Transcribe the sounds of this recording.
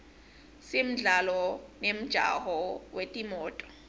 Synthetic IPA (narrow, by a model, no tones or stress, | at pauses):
sem̩ɮalɔnem̩d̥ʒ̥ʱa̰ɦɔwetʼimɔːtʼɔ̥